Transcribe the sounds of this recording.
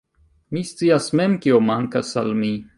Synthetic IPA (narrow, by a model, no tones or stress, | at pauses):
mist͡siasme̞mkiomaŋkasa̰lmi